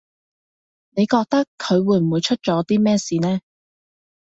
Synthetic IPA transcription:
ne˨˧jkɔː˧k̚t̪ɐ˥kʰːɵ˨˧ɥwuː˨˧jm̩˨wuː˨˧jt͡ʃʰɵ˥t̚t͡ʃɔː˨˥t̪iː˥mɛː˥siː˨˧nɛː˥

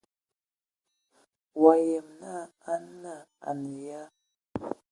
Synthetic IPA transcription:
wa˨jɛ˨mna˦˨a˦n˦na˦˨a̰˨ne˨ja˦

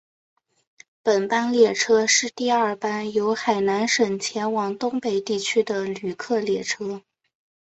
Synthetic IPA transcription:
pə˨˩npa˥nljɛ˥˩ʈ͡ʂʰɤ˥ʂɻ̩˥˧t̪i˥˧a˞˥˩pa˥njo˧˥ʊxa˨˩ɪna˧˥nʂɤ˨˩ŋt͡ɕʰjɛ˧˥nwɑ˧˩ŋt̪ʊ˥ŋpe˨˩ɪt̪i˥˩t͡ɕʰy˥d̪ə˧˨ly˨˩kʰɤ˥˩ljɛ˥˩ʈ͡ʂʰɤ˥

